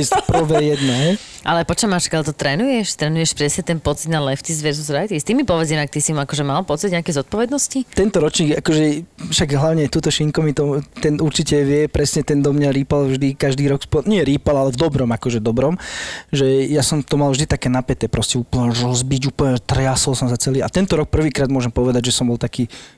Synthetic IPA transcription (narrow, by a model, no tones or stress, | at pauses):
ɛspɾɔʋɛjɛd̪nɛɦɛj | ʔalɛpɔt͡ʃɔmaːʃkalt̪ɔt̪ɾɛːnujɛʃt̪ɾɛːnujɛʃpɾɛsɲɛt̪ɛnpɔt͡sid̪nalɛft͡sizʋɛɾzuzɾajt̪ist̪imːipɔʋɛd͡zjɛnak̚t̪isimakɔʒɛmalpɔt͡sid̪ɲeakɛzɔt̪̚pɔʋɛd̪nɔscit̪ɛnt̪ɔɾɔt͡ʃniːɡakɔʒɛfʃaɡɦlaʊɲɛt̪uːt̪ɔʃiŋkɔmit̪ɔt̪ɛnuɾt͡ʃicɛʋɪɛpɾɛsɲɛt̪ɛnd̪ɔmɲaɾiːpalvʒd̪ikaʒd̪iːɾɔkspɔɲɪɛɾiːpalalɛvd̪ɔbɾɔmakɔʒɛd̪ɔbɾɔmʒɛjasɔmt̪ɔmalvʒd̪it̪akɛːnapɛt̪ɛːpɾʔɔscɛuːplɲɛɾɔzbiɟuːpl̩ɲɛt̪rjasɔlsɔmsat͡sɛliːat̪ɛnt̪ɔɾɔk̚pr̩ʋiːkɾaːd̪mʊɔʒɛmpɔʋɛd̪aɟʒɛsɔmbɔlt̪akiː